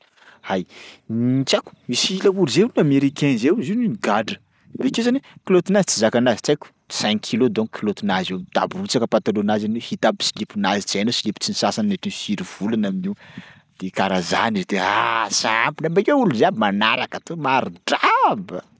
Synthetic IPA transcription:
hajnit͡ʃaku̥misiləuluzenameɾikenzewzininiɡaɖ͡ʐə̥ | vekewzanekilot̪inazi̥t͡sizakanazi̥t͡sajkʲu̥ | saŋkʰilod̪oŋkʰilot̪inazed̪a̰burut͡sakəpat̪alonazanwehit̪abi̥silipunazit͡szajnosilipu̥t͡sinisasanneʈ͡ʂinisiɾiv̥ulanaminiw | d̪̥ekaɾaza̰nid̪easaampinabekʲeuluzeabimanaɾakat̪omaɾuɖ͡ʐabə̰

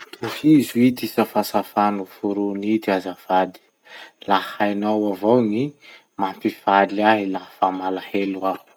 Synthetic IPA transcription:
uhizuid̪isafasafanufuɾunid̪iazav̥ad̪i̥ | lahajnawavowni | mampiv̥alaɦilaɦafamalahelua

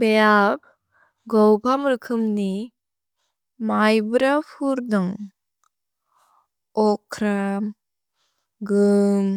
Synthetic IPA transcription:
bejab̚ | ɡɔwbʰʱamɾɯkʰɯmni | majbɯɾapʰuɾdɔŋ | ɔkʰɾam | ɡɯm

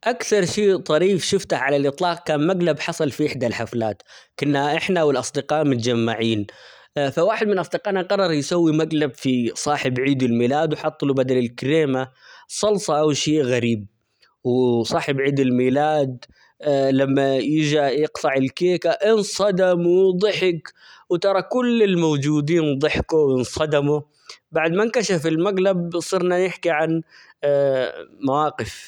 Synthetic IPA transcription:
ʔakθɑɾˤʃiːt̪ˤɑɾiːfʃɪft̪aħʕalalʔɨt̪ˤlɑːq̚kaːnmaɡlabħɑsˤɑlfiʔɪħd̪alħaflaːt̪kʊnːaʔɪħnawɪlʔɑsˤd̪ɪqɑːʔmʊt̪d͡ʒamːaʕiːn | fawaːħɪd̪mɪnʔɑsˤd̪ɪqɑːʔnaqɑrˤːɑɾˤjsawːimaɡlabfisˤɑːħɪbʕiːd̪ɪlmiːlaːd̪wħɑt̪ˤːlubad̪alɪlkɪɾeːmasˤɑlsˤɑʔawʃiːʔɣaɾiːb̚ | wsˤɑːħɪbʕiːd̪ɪlmiːlaːd̪ | lamːajɪd͡ʒajɪqt̪ɑʕɪlkeːkaʔɪnsˤɑd̪amwɪd̪ˤɨħɪk | wt̪ɑɾˤɑkʊlːɪlmowd͡ʒuːd̪iːnd̪ˤɨħkuwɪnsˤɑd̪amu | baʕd̪mankaʃafɪlmaɡlabsˤɨɾnanɪħkiʕan | mawaːqɪf

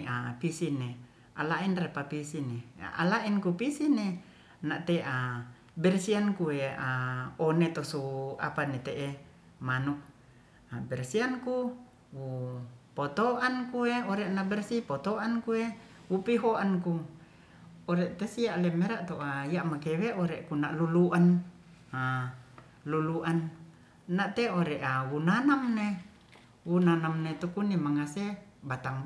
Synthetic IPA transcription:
ʔapisine | ʔa̰lainrepapisinḛʔa̰laʔinkupisine | naʔt̪eʔa | bɛrsiankueaonet̪osua̰panit̪eʔe | manuk̚ | abɛrsianku | wupoɔt̪oʔankueoɾɛʔnabɛrsipɔt̪oʔankue | wupiɦoanku | oɾɛʔt̪esiaʔlɛmɛɾaʔt̪oʔaijaʔmakɛweʔɔɾɛkunaʔluluʔan | a | luluʔan | naʔt̪eoɾɛʔawunanamne | wunanamnet̪ukunimaŋase | bat̪aŋ

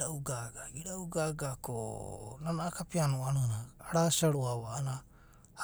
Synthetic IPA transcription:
ɾauɡaɡaɡiɾauɡaɡakʰonanaːkapianoananaːɾasiaɾuaβaːna

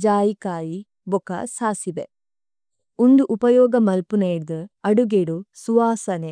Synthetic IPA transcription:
d͡ʒaːjikaːji | bɔkɐ̰saːsibḛ | und̪uʔupɐjɔːɡɐmɐlpuneːɽd̪ɐɐɽuɡeɽusuʋaːsɐne

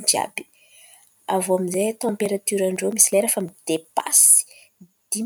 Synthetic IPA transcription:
d͡ʒa̰bi̥ | avoaminzejt̪ɑ̃mpeɾat̪yɾaɳɖ͡ʐomisileɾafamid̪̥epa̰s | d̪̥i

